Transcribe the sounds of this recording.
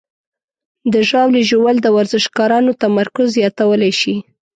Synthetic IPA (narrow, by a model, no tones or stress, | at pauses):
d̪əʒɑwleʒowald̪əwaɾzɪʃkɑɾɑnot̪amaɾkʊzːjɑt̪awəlajʃi